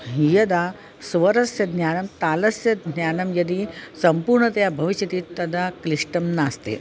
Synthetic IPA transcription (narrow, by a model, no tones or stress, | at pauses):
ɦijɐd̪a | sʋɐɾɐsjɐd̪njaːnɐmt̪aːlɐsjɐd̪ʱnjaːnɐmjɐd̪isɐmpuːɾɳɐt̪jabʱɐʋiɕjɐt̪iːt̪ɐd̪akɾiʂʈɐmnaːst̪ḛː